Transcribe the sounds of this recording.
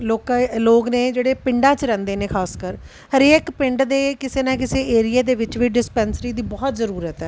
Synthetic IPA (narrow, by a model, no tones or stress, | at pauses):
loːkaloːknẽːd͡ʒeːɽeːpɪɳɖãːt͡ʃɾɛ̃ːnd̪eːneːkʰaːskəɾ | ɦəɾeːkpɪ̃ɳɖd̪eːkɪseːnãːkɪseːeːɾɪjaːd̪eːʋɪt͡ʃʋiːɖɪspɛ̃ːnsɾiːd̪iːbɔːt̪zəɾuːɾət̪ɛː